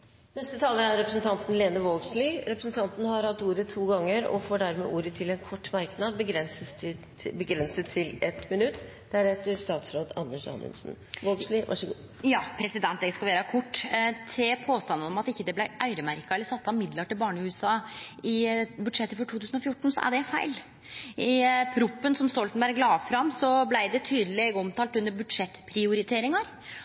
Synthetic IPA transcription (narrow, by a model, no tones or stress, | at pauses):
nɛst̪ət̪ʰɑːləɾæɾɾɛpɾəsn̩t̪ʰɑnt̪n̩leːnəʋoːlɡsliːɾɛpɾəsn̩t̪ʰɑnt̪nəhɑɾhɑt̪ːuːɾət̪ʰuːɡɑŋːəɾɔ̰foːɖæɾmḛːʔuːɾət̪ʰɪlɛnkʰɔʈːmɑɾknɑːd̪̚bəɡɾɛnsə | bəɡɾɛnsət̪ʰːɪlɛt̪mɪnʉt̪ː | d̪̥æɾɛt̪ːəɾst̪ɑːt̪sɾoːd̪ɑ̰nːəʂɑ̰nʉ̰nsn̩ | ʋoːɡsliːʋʔɑ̰ʂəɡuː | jɑːpʰɾɛsɪd̪ɛnt̪̚d̪ɛɡskɑʋeːɾəkʰʊʈːt̪ʰɪpʰoːst̪ɑnːənɔmɑt̪ɪçːəd̪ɛblæɪʔœʏɾəmæɾkɑɛlːəsɑt̪ːɑmɪd̪ləʈɪlbɑːɳəʉːɛsɑːɪbʉd̪ʂɛt̪ːəfɔʈʰuːt̪ʰʉːsən̩ɔfjʊʈːɳ̩sɔ̰ʔæ̰ɖɛfæ̰ɪl | ʔɪpʰɾʊpːənsɔmst̪ɔlt̪n̩bæːɾəɡlɑːfɾɑmsɔblæɪd̪ɛt̪ʰyːd̪əleːɡɔmt̪ʰɑːlt̪ʉnːəɾbʉd̪ʂɛt̪ːpʰɾɪʊɾɪt̪ʰeːɾɪŋɑɾ